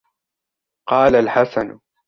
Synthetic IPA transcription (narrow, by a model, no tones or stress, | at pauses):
qɑːlalħasan